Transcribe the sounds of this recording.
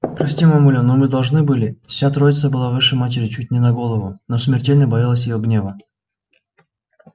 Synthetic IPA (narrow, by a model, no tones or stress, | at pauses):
pɾɐsʲtʲimɐmulʲonomɨd̪ɐlˠʐnɨbɨlʲɪfsʲat̪ɾo̞jɪt̪səbɨlˠavɨʂəjmatʲɪɾʲɪt͡ɕut̚ʲnʲɪnɐɡo̞lˠəvʊnosmʲɪrtʲelʲnəjbɐjalˠəsʲjɪjoɡnʲe̞və